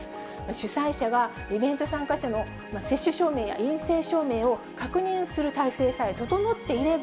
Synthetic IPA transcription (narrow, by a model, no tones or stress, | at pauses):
maɕɨsaiɕaɡa | ibẽ̞nt̪o̞sãŋkaɕano̞ | mase̞ɕːɨɕo̞ːme̞ːja̰ĩɰ̃se̞ːɕo̞ːme̞ːo̞ | kakɯ̟ɲ̟ĩɰ̃sɨɾɯ̟t̪aise̞ːsait̪ot̪o̞no̞t̪ːe̞iɾe̞b